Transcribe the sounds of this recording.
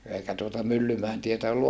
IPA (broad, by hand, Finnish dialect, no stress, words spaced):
eikæ tuotɑ mylːymæen tietæ olːu